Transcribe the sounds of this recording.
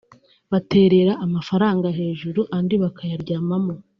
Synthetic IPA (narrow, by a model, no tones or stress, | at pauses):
βate̞ːɾe̞ɾaʔːmafaɾaːŋɡaɦe̞ːʒuɾuʔandiβakʰajaɾɟaːmamo